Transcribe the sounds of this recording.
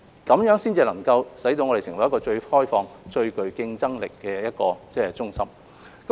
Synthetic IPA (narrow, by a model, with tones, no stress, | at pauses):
kɐ˨˥mjœː˨˥ŋsiː˥nt͡siː˧lɐ˨˩ŋkɐ˧wsɐ˨˥jt̪o˧wŋɔ˨˧ɾe˨˩sɪ˨˩wɐ˨˦jkɔː˧t͡ʃɵ˧ɥhɔː˥jfɔː˧ŋt͡ʃɵ˧ɥkɵ˨ɥkɪ˧ŋt͡sɐ˥ŋlɪ̰˨kːɛː˧jɐ˥t̚kɔː˧t͡sɛː˥t͡ʃʊ˥ŋsɐ˥m | kɐ˨